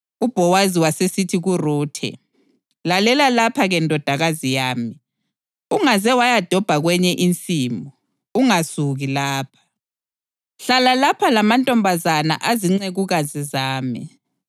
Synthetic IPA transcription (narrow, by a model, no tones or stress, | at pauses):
ub̥ʱɔwaziwasesitʰiɣuruːtʰɛ̰ | lalɛlalapʰaɣɛndʱɔd̥ʱaɣazijaːmi | uŋazɛwajad̥ʱɔb̥ʱaɣwɛɲɛʔint͡sʼiːmɔ | uŋasuɣilaːpʰḁ | ɬalalapʰalamantʼɔmbʱazana̰ʔaziŋ͡ǀeɣuɣazizaːmi